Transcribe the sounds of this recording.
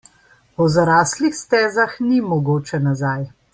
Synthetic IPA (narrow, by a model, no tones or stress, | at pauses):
ɔzaɾaːslixst̪ɛːzaxnimɔɡoːt͡ʃɛnazaj